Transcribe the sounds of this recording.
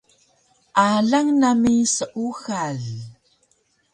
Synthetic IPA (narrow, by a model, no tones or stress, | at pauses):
ʔaɮaŋnamisəʔuxaɮ